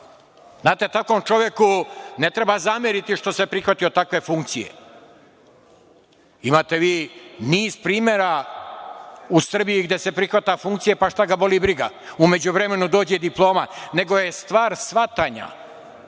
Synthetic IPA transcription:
znaːt̪e̞t̪ako̞mt͡ʃo̞ʋjekune̞t̪ɾe̞bazamjeɾit̪iʃt̪o̞sepɾixʋat̪ijo̞t̪akʋe̞fuŋk̚t̪sijḛ | imaːt̪e̞ʋiːniːz̥pɾiːmjeɾa | usr̩bijiɡd̪e̞se̞pɾixʋat̪afuŋkt̪sije̞paʃt̪aɡabo̞libɾiɡa̰ | ume̞d͡ʑuʋɾe̞me̞nud̪o̞ːd͡ʑed̪iplˠo̞ːmane̞ɡo̞jest̪ʋaːɾsʋat̪aːɲa̰

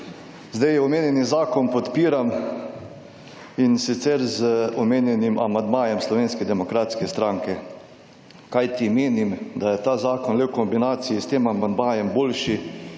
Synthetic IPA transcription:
zd̪ɛjɔmeːnjɛnizaːkɔnpɔt̪piːɾam | insit̪sɛɾzəɔmeːnjɛnima̰mand̪maːjɛmslɔʋeːnskɛd̪ɛmɔkɾaːt̪skɛst̪ɾaːŋkɛ | kajt̪imeːnimd̪ajɛt̪aːzaːkɔnlewkɔmbinaːt̪sijist̪eːmamand̪maːjɛmboːlʃi

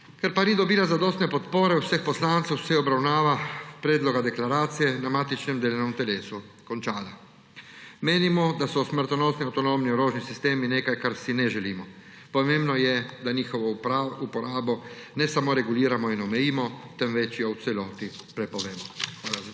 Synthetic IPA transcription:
kɛɾpanid̪ɔbiːlazad̪ɔːst̪nɛpɔt̪poːɾɛwsəxpɔslaːnt̪sɛwsɛɔbɾawnaːʋapɾɛːd̪lɔɡad̪ɛklaɾaːt̪sijɛnamaːt̪it͡ʃnɛmd̪eːlanɔmt̪ɛleːsu | kɔnt͡ʃaːla | meːnimɔd̪asɔsməɾt̪anɔːst̪niawt̪ɔnomniɔɾoːʒnisist̪eːmineːkajkaɾsinɛʒɛliːmɔ | pɔmembnɔjɛd̪aɲiːxɔʋɔupɔɾaːbɔnɛsamɔɾɛɡuliːɾamɔinɔmɛjiːmɔt̪ɛmʋɛt͡ʃjɔwt̪sɛlɔːt̪ipɾɛpɔʋeːmɔxʋaːla

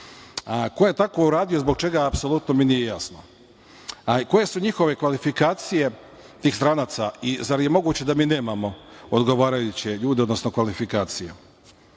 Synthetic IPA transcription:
ko̞je̞t̪ako̞uɾaːd̪ijozbo̞ɡ̚t͡ʃe̞ɡaapso̞lˠut̪no̞minijejasno | ko̞je̞suɲixo̞ʋe̞kʋalifikaːt̪sije̞ | t̪iːxst̪ɾanaːt̪saizaɾje̞mo̞ɡuːt͡ɕe̞d̪amiːne̞ːmamo̞od̪ɡo̞ʋaːɾajut͡ɕeʎuːd̪eo̞d̪nosno̞kʋalifikaːt̪sije

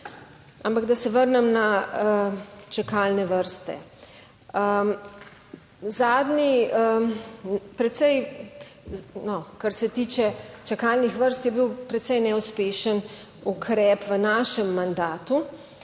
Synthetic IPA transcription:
ampaɡd̪asɛʋəɾnɛmnaət͡ʃakalnɛʋəɾst̪ɛ̰ | ə | zaːd̪niə | pɾɛt̪sɛj | nɔkaɾsɛt̪iːt͡ʃɛt͡ʃɛkalnixʋəɾst̪jɛbiwpɾɛt̪sɛjnɛuspeːʃən | ukʰɾɛːpʋənaːʃɛmːand̪aːt̪u

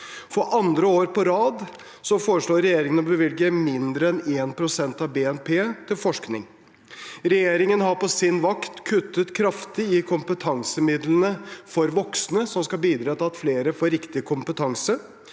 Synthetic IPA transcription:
fɔɾʔɑnd̪ɾəoːɾpʰɔɾɑːd̪ | sɔfoːɾəʂɭoːɾɛjeːɾɪŋənɔbəʋɪlɡəmɪnd̪ɾəɛneːnpʰɾʊsɛnt̪ɑʋbeːɛnpʰeːt̪ʰɪlfɔʂknɪ̰ŋ | ɾɛjeːɾɪŋənɦɑɾpɔsɪnʋɑkt̪kʰʉt̪ːət̪kʰɾɑft̪ɪɪkʰʊmpət̪ʰɑŋsəmɪd̪lənəfɔɾʋɔksnəsɔmskɑbiːd̪ɾɑːt̪ʰɪlɑt̪fleːɾəfoːɾɪkt̪ɪkʰʊmpət̪ʰɑŋsə

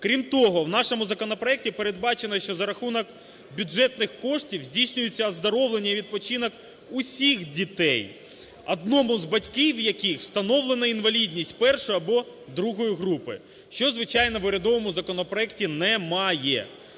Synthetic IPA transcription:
kɾʲimt̪ɔɦɔwnɑʃomʊzɐkɔnɔpɾɔɛk̚tʲipeɾe̞d̪̚bɑt͡ʃenɐʃt͡ʃɔzɐɾɐxunɔk | bʲʊʐɛt̪nɪxkɔʂtʲiwzʲdʲijsʲnʲʊjet͡sʲːɐɐzd̪ɐɾɔwlˠenʲːɐiʋʲid̪̚pɔt͡ʃinɔk | ʊsʲixdʲit̪ɛj | ɐd̪̚nɔmʊzbɐtʲkɪwjɐkixw̥st̪ɐnɔwlˠenɐinʋɐlʲidʲnʲisʲtʲpɛrʃɔjɐbɔ | d̪ɾuɦɔjiɦɾupɪ̰ | ʃt͡ʃɔzʋɪt͡ʃɑjn̪ɔʋʊɾʲɐd̪ɔʋɔmʊzɐkɔnɔpɾɔɛk̚tʲinɛmɑjɛ̰

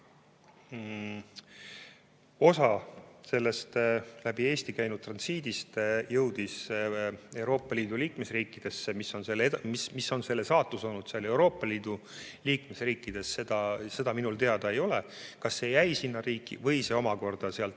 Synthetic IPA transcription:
o̞sɑse̞lːe̞st̪læb̥ie̞ːst̪ikæjnud̥̪̚t̪rɑnsiːd̪̥ist̪jɤwd̪̥is | e̞wɾo̞ːpˑːɑlʲiːd̪̥uliːkmesriːkːˑid̪̥e̞sːemisːo̞nse̞lːed̪mismisːo̞nse̞lːesɑːt̪ːˑuso̞lnud̪̥seɑle̞wɾo̞ːpˑːɑliːd̪̥u | liːkmesriːkːˑid̪̥e̞sːe̞d̪̥ɑse̞d̪ɑminult̪e̞ɑd̪̥ɑe̞jo̞lekɑsːe̞jæjsinːɑɾiːkˑːḭvɤ̞jse̞o̞mɑko̞rd̪̥ɑseɑlt̪

